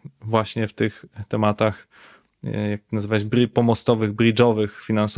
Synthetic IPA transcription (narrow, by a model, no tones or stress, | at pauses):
vwaɕɲɛft̪ɘxt̪ɛmat̪ax | jak̚t̪nazɘvaɕbɾipɔmɔst̪ɔvɘɣbɾid͡ʐɔvɘxfʲinans